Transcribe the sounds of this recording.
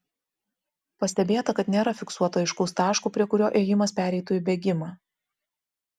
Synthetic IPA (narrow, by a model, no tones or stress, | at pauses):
pɐsʲt̪ʲɛbʲeːt̪ɐkɐt̪nʲeːɾɐfʲɪksuɔt̪oːjɪʃkust̪ɑːʃkuːpʲɾʲiɛkʊɾʲoːʔeːjɪmɐspʲæːɾʲɛɪt̪ʊːɪbʲeːɡʲɪmɑː